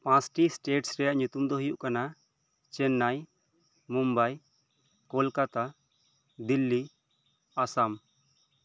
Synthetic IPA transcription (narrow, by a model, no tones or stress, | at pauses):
pãsʈisʈeʈsɾɛjaʔɲut̪umd̪ɔɦijuʔkana | t͡ʃɛnːaj | mumbaj | kɔlkat̪a | d̪ilːi | asam